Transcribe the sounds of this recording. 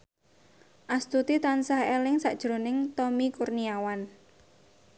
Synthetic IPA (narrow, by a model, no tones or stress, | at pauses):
ʔast̪ut̪it̪ansahelɪŋsaʔd̥ʒ̥ɾo̤nɪŋt̪ɔmikurniawan